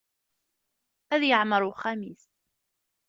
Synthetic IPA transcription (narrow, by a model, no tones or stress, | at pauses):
æðjəʕməɾˤχæmis